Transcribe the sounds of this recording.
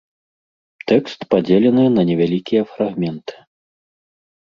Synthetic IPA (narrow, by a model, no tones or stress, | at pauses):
t̪ɛkst̪pad͡zʲelʲɛnɨnɐnʲɛvʲalʲikʲijɐfɾaɣmʲɛnt̪ɨ̥